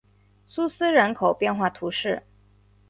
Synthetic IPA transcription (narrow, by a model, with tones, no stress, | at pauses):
su˥s̩˥ɻə˧˥nkʰo˨˩ʊpjɛ˥˧nxwa˥˩t̪ʰu˧˥ʂɻ̩˥˩